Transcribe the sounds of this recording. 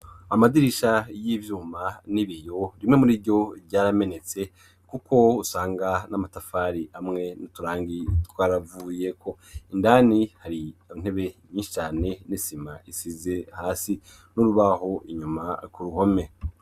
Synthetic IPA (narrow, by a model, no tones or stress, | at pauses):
amadiɾiʃajivjuːmaniβijo̞ɾimŋe̞muɾibɟo̞ɾɟaːɾame̞ne̞t͡se̞ | kuko̞usaːŋɡanamatafaːɾiʔamŋe̞nutuɾaːŋɡitwaːɾavuje̞kʰo̞ | indaːnihaɾiin̥he̞βeɲiːʃi̥t͡ʃaːne̞nisimaʔisize̞haːsi | nuɾuβaho̞ʔiɲumakuɾuho̞me̞